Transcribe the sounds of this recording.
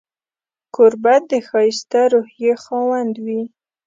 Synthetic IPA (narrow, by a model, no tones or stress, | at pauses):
koɾbat̪̚d̪əxɑjist̪aɾohjexɑwand̪wi